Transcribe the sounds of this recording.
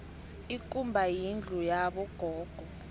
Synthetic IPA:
ikʼumbʱajind͡ɮʱujaɓɔɡ̥ʱɔːɡ̥ʱɔ

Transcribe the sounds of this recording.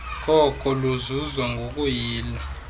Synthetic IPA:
k̬ʼɔkʼɔluzuzwaŋɡʱok̬ʼujiːla

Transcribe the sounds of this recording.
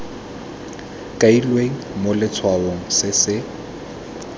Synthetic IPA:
kʼailweŋ̩molɪt͡sʰwaoŋ̩sɪsɪ

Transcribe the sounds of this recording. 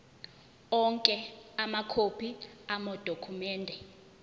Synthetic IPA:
ɔŋkʼɛamakʰopʰiamɔd̥ʱokʰumɛːndʱɛ

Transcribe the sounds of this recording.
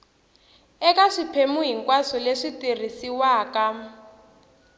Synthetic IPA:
ɛkaʂipʰemuɦiŋkwasɔleʂitir̤isiwaːka

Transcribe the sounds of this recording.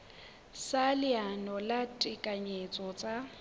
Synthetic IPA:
salɪanɔlatʼɪkʼaɲet͡sʼɔt͡sʼa

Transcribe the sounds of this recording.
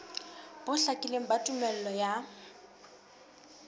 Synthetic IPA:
b̥ʊɬakʼɪleŋ̩batʼʊmɛl̩lɔja

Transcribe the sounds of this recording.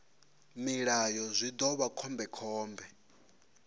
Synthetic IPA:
miɺajɔzʷid̪ɔβakʰɔmbɛkʰɔːmbɛ

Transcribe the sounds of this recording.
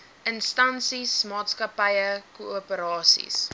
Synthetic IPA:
ʔənstɐnsismɑːtskɐpɐjəkuəpəɾɑːsḭs

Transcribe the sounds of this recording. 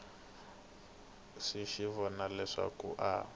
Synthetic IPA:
ʂiʃiβɔnalɛʂa̰kṵʔa

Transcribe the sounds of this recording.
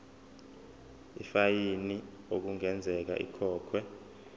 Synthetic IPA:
ifajini | ok̬uŋɛnd͡zʱɛk̬a̰ʔḭkʰɔːkʰwɛ

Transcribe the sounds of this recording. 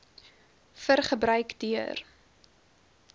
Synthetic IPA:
fərχəbɾœɥkdyər

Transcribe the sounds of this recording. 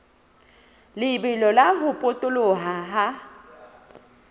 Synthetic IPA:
lɪbɪlɔlaɦʊpʼʊtʼʊloɦaɦa

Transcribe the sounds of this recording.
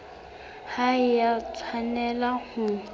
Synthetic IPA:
haɪjat͡sʰanɛlahʊ

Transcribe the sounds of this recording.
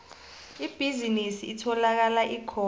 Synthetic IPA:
ib̥ʱizinisiːtʰɔlak̬alaʔikʰɔ

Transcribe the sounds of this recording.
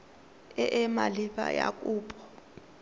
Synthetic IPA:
ɛʔɛmaliɓa̰jakʼuːpʼɔ̥

